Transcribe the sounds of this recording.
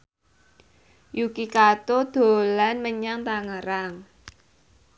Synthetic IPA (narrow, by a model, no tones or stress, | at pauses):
jukikat̪od̪̥o̤lanməɲaŋt̪aŋəɾaŋ